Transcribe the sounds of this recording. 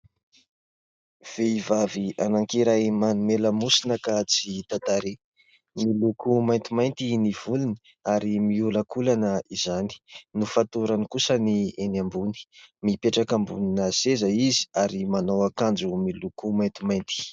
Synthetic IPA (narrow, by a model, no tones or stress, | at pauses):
v̥eivavianaŋkiɾajmanumeləmusinəkat͡sit̪at̪aɾe | milukʰumajnt̪imajnt̪iniv̥uluni̥ | aɾimiuləkulanəizani̥nufat̪uɾanikusənienambuni̥mipeʈ͡ʂakambuninəsezəizi̥aɾimanowakand͡zumilukumajnt̪imajnt̪i̥